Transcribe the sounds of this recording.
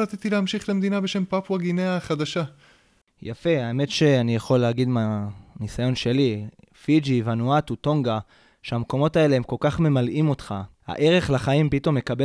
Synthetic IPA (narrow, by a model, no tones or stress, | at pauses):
at̪it̪ileamʃiχlemed̪inabeʃe̞mpapwaɡineaχad̪aʃa | ja̰fe̞aeme̞tʃe̞anijaχo̞lːeːɡid̪manisajo̞nʃe̞li | fid͡ʒivanuatuto̞ŋɡa | ʃeamko̞mo̞tae̞leemko̞lkaχme̞malʔimo̞tχa | ha̰ʔe̞ʁe̞χlaχaimpito̞mje̞kabe